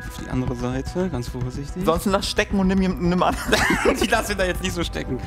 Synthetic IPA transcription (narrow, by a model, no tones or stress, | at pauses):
ʔaʊfd̥ḭːʔa̰ndəʁəzaɪtʰəɡansfoɐzɪçtlɪnzɔnstn̩lasʃtɛkŋ̩ʊntnɪmjeːm̩nːɪmʔa̰nd̥iːlasmidaːjɛt͡stnɪçtz̥oːʃtɛ̰kŋ̩